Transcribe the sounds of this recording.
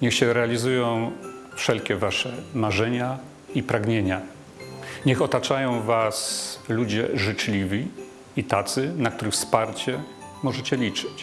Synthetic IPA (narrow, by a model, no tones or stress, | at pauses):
ɲɛxɕɛɾɛalʲizujɔ̃w̃ | fʂɛlkʲɛvaʂɛmaʐɛɲa | ipɾaɡɲeɲa | ɲɛxɔt̪at͡ʂajɔ̃w̃vaslud͡ʑɛʐɘt͡ʂlʲivʲi | it̪at̪sɘnak̚t̪uɾɘxfspaɾt͡ɕɛ | mɔʐɛt͡ɕɛlʲit͡ʂɘ̥t͡ɕ